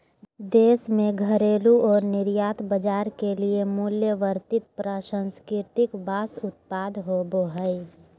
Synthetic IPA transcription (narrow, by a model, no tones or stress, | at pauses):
d̪eːsmẽɡʱəɾeːluɔːɾnɪɾjaːt̪ʰbəd͡ʒaːɾkeliemuljəʋəɾt̪ɪt̪̚pɾəʃə̃nskɾɪɾt̪ɪkbaːsʊt̪̚paːd̪ɦoboɦəi